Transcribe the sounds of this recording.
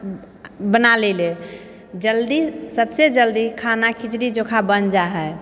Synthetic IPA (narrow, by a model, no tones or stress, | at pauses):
bənalele | d͡ʒəld̪isəbsed͡ʒəld̪ikʰanakʰit͡ʃɾid͡ʒokʰabənd͡ʒaɦɛ